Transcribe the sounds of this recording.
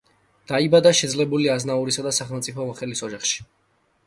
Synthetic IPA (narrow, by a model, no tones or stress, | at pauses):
d̪̥aibad̪aʃɛd̪zlɛbuliaznauɾisad̪asaχɛlˠmt̪sʼipʰɔmɔχɛlisɔd͡ʒaχʃi̥